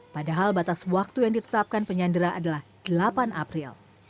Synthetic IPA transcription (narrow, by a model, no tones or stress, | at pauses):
padaɦalbat̪aswak̚t̪ujaŋdit̪ə̥t̪ap̚kanpəɲandəɾaʔadalahd̥əlapanʔa̰pɾil